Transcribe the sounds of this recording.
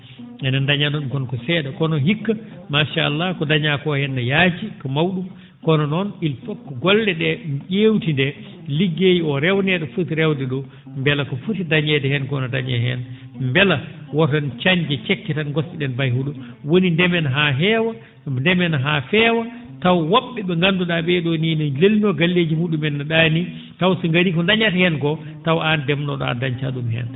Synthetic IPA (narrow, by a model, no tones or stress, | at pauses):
ɛnandaɲanɔɗumkɔnkɔsɛːɗakɔnɔnɦikːamaʃaːlːakɔdaɲakɔhɛnːajad͡ʒikɔmawɗum | kɔnɔnɔnilfɔkːɔɡɔldɛɗɛʄeːwtindɛ | liɡːejiɔɾɛwnɛɗɔfutiɾɛwdɛɗɔ | mbɛlakɔfutidaɲɛdɛhɛnkɔnɔdaɲɛ̰hɛ̰n | mbɛlawɔtant͡ʃaɲd͡ʒɛt͡ʃɛkːɛtanɡɔsɓiɗɛnbajhuɗɔ | wonindɛmɛnɦaɦɛːwa | ndɛmɛnɦafɛːwa | tawwɔɓːɛɓɛŋɡanduɗaɓɛɗɔninɔlelinɔɡalːed͡ʒimuɗumɛnːaɗani | tawsɔŋɡaɾikɔndaɲatahɛnkɔ | tawandɛmnɔɗɔa̰daɲt͡ʃaɗumɦɛ̰n